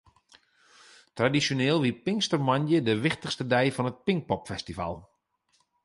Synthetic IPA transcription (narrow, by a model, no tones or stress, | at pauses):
tradisjoneːlˠʋipɪŋkstərmanjədəʋɪxtəχstədɛjfɔnət̚pɪŋk̚pɔpfɛstiva̰lˠ